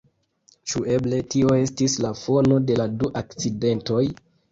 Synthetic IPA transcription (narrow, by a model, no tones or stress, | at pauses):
t͡ʃue̞ble̞tio̞e̞stislafo̞no̞de̞laduʔakt͡side̞nto̞j